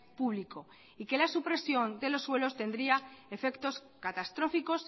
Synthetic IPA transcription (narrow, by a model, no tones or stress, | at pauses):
puβliko̞ | ike̞lasupɾe̞sjo̞nd̪elo̞sːwe̞lo̞st̪e̞nd̪ɾiae̞fe̞kt̪o̞s | kat̪ast̪ɾo̞fiko̞s